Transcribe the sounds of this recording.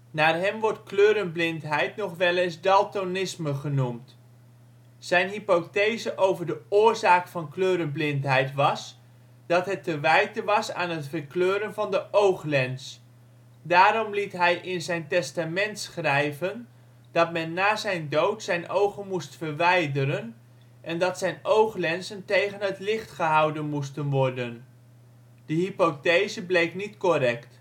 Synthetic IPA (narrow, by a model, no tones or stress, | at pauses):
naːɹɦɛmʋɔɹtkløːɾənblɪntɦɛjtnɔχʋɛlɪnzdɑlˠtonɪsməχənumt | zɛjnɦipotejzəʔowvəɹdəʊːɹzaːkfɑnkløːɾənblɪntɦɛjtʋɑs | d̥ɑtɦɛtːəʋɛjtəʋɑsa̰ːnɦətfəɹkløːɾənvɑndəʔowχlɛns | daːɾɔmlitɦɛjʔɪnzɛjntɛstamɛntsχrɛjvən | d̥ɑtmɛnːaːzɛjndowtsɛjnʔowχənmustfəɹʋɛjdəɾən | ʔɛndɑtsɛjnowχlɛnsəntejχənɦətlɪχtχəɦɑwdənmustənʋɔɹdən | d̥əɦipotejzəblejknitkorɛkt